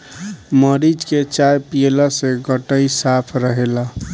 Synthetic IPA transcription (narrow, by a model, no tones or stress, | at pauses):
məɾid͡ʒket͡ʃajpielaseɡəʈəisapʰɾəɦela